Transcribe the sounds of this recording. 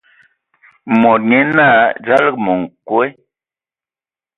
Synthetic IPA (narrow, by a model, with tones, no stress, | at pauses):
mɔ˨t̚ɲe˦na˦˨d͡ʒa˦lə˦kmɔ˨ŋ˨kwe˦